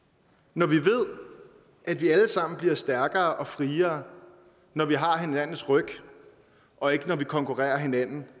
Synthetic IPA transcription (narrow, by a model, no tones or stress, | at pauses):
nɒʋiʋe̝ð̞̰ˠ | ʔæd̥ʋiæləsɑ̈m̰n̩b̥liɐsd̥æɐɡ̥ɐːʔɒ̽fʁiːɐː | nɒʋiɦɑ̈ɦe̝næn̰n̩sʁœɡ̥ | ʔɒ̽e̝ɡ̥ənɒʋikʰɒ̽ŋkʰuʁɛ̰ːɐɦe̝næn̰n̩